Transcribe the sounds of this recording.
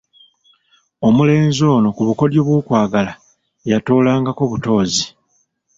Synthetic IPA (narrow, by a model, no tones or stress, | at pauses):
o̞mule̞ːnzo̞ːnokuβuko̞ljoβwukwaːɡala | jatoːlaːŋɡako̞βuto̞ːzi